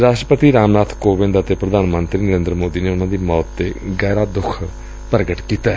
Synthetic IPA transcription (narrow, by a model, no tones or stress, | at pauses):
ɾaːʃʈəpət̪iːɾaːmnaːt̪ʰkoːʋɪ̃nd̪ət̪eːpɾəd̪ʱaːnmənt̪ɾiːnəɾẽːnd̪ɾəmoːd̪iːneːʊnãːd̪iːmɔːt̪ːeːɡɛːɾaːd̪ʊkʰ | pəɾɡəʈkiːt̪aɛ